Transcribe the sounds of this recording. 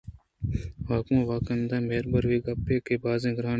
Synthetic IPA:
ʋaːkũːʋaːkənd̪ãːmeːɾbəɾʋeːɡɐpːeːkeːbaːzẽːɡɾaːn

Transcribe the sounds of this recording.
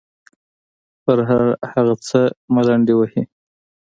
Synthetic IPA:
pəɾɦaɾhaɣat͡səmalaɳɖewəhi

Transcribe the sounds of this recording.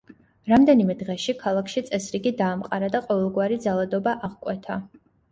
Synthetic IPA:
ɾamd̪ɛnimɛd̪ʁɛʃikʰalˠakʰʃit̪sʼɛsɾiɡid̪aːmqʼaɾad̪aqʼɔvɛlˠɡwaɾid̪zalˠad̪ɔbaʔaʁkʼwɛt̪ʰa

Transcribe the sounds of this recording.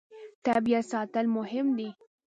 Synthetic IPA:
t̪abijasɑt̪əlmʊɦɪmd̪i

